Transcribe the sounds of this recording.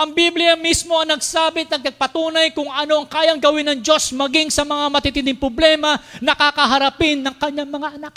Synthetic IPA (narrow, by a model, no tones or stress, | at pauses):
ʔɐŋbiblɪjamismo̞ɐŋnɐɡsaːbɪɐt̪̚nɐɡ̚nɐɡ̚pɐt̪uːnɐjkʊŋʔɐno̞ʔɐŋkaːjɐŋɡɐwɪnɐŋd͡ʒo̞smɐɡɪŋsɐmɐŋamɐt̪it̪ɪnd̪ɪŋpɾoblɛːmɐnɐkakɐɦɐɾɐpɪnːɐŋkɐɲːaŋmɐŋaʔɐnak